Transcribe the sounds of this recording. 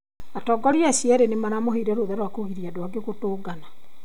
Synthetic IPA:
atɔːɡɔɾiasiɛɾenemaɾamoɦeiɾɛɾoðɛɾwakoɣiɾiadwaɡeɣotoːɡana

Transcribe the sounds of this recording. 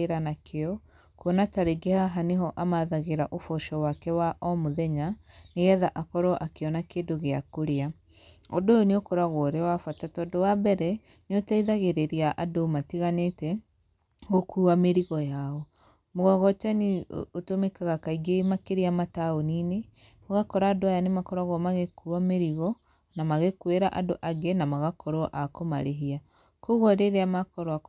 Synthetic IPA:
eɾanakʰeɔ | kuɔnataɾeɡehaɦaneɦɔʔamaðaɣeɾaʔofɔʃɔwakɛwaʔɔmoðɛɲaneɣɛðaʔakɔɾɔʔakeɔnakeːdoɣeakoɾea | ɔdooneokoɾaɣɔɾewafatatɔdowabɛɾɛ | neotaiðaɣeɾeɾiaʔadomatiɣanetɛ | ɣokuːameɾiɣɔjaɔ | moɣɔɣɔt͡ʃaniotomekaɣakaiɡemakeɾiamataonine | oɣakɔɾaːdoajanemakɔɾaɣɔmaɣekuameɾiɣɔ | namaɣekweɾaʔadoʔaɡenamaɣakɔɾɔʔakoma̰ɾeɦia | koɣɔɾeɾeamakɔɾɔa

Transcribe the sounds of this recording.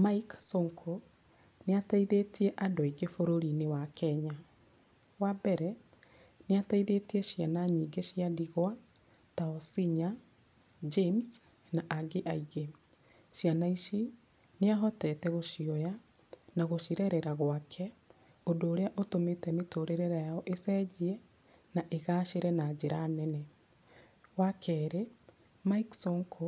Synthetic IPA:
maiksoŋkʰo | neataiðetiɛʔadoiɡefoɾoɾinewakʰɛɲa | wabɛɾɛ | neataiðetiɛʃianaɲiɡeʃiadiɣwa | taɔsiɲa | d͡ʒems | naʔaɡeʔaiɡe | ʃianaiʃi | neaɦɔtɛːtɛɣoʃiɔja | naɣoʃiɾɛɾɛɾaɣwakʰɛ | odoːɾeaʔotometɛmetoɾeɾeɾajaɔʔesɛːd͡ʑiɛ | naʔeɣaːʃeɾɛnad͡ʑeɾaːnɛnɛ | wakʰɛːɾe | maiksɔŋkʰo

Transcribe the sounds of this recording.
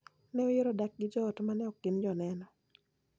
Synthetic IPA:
nɛojeɾodak̚ɡɪd͡ʒɔɔtmanɛɔkːɪnd͡ʒɔnɛnɔ

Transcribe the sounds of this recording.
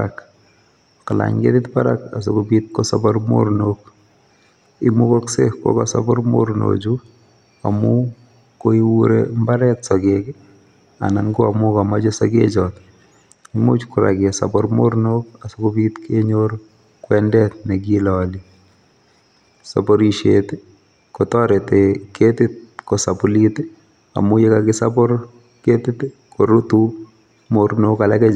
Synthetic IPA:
ak | kala̰ɲɡḛtɪtpaɾakasokubit̪̚kosɔbɔɾmo̰ɾnok | imukɔksekːɔ̰kɔsabɔɾmo̰ɾno̰d͡ʒu | a̰mu | koiwuɾḛmbaɾɛtsokek | a̰naŋɡoamukamad͡ʒɔsɔɡet͡ʃɔt̪ | imo̰t͡ʃkʊɾa̰ɡɪɛsa̰pɔɾmoɾnokasokopit̪kʰeɲoɾ | kwɛndɛt̪̚nɛɡilɔli | sa̰pɔɾiʃḛt̪ | kotɔɾeteket̪ɪt̪̚kosapulit̪ | a̰mʊjekakɪsa̰pɔɾ | ket̪ɪt̪kʰoɾut̪u | moɾnokalakɛ

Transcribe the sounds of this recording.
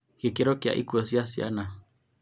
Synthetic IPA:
hekeɾokja̰ʔḭkuas̬iasiʔa̰na

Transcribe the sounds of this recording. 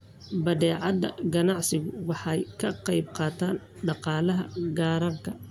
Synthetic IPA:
bɐðɛːʕɑd̪ɐ̰ɡɐnɑʕsɪɣʊwɑħɑjkʰɐqɑjb̚qɑːt̪ʰaːn | ɖɑqɑːlɐɦɐɡaːɾɐŋkʰɐ

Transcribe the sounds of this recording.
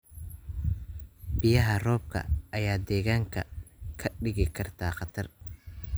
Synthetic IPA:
bɪjɐɦɐrɔːb̚kʰɐ̰ɐjaːd̪ɛːɣaːŋkʰɐ̰kʰɐɖɪɣɪkʰɐrt̪ʰaːχɑt̪ʰɐr

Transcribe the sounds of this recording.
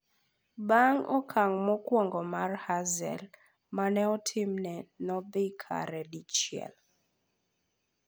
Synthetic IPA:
baŋɔ̰kʰaŋmɔkwɔŋɡɔmarhazɛ̰l | manɛɔtʰɪmnɛnɔbɪkʰa̰ɾɛdit͡ʃjɛ̰l

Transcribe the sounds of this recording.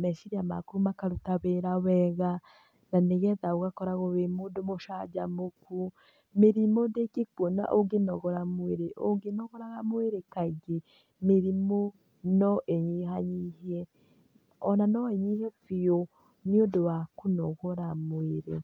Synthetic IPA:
mɛʃiɾiama̰kuɾumakaɾutaβeɾawɛɣa | naneɣɛðaoɣakɔɾaɣoβemodomoʃad͡ʒamoku | meɾimodekekwɔna̰ʔoɡenɔɣɔɾamweɾeʔoŋɡenɔɣɔɾaɣamweɾekaiɡe | meɾimo | nɔʔeɲiɦaɲihiɛ | ɔnanɔeɲihɛfio | niodowakunɔɣɔɾamweɾe

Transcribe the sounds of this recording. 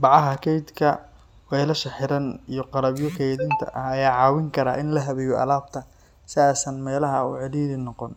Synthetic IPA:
bɑʕɑɦɐkʰɛjd̪kʰɐ | wɛjlɐʃɐħɪɾɐnijɞqɑɾɐbjɔkʰɛjðɪnt̪ʰɐ̰ʔɐhɐjaːʕɑːwɪŋkʰɐɾaːʔɪnlɐɦɐβɛjɔʔɐ̰laːb̚t̪ʰɐ | sɪaːsɐnmɛːlɐɦɐṵːʕɪɽiːðɪnɔqɔn

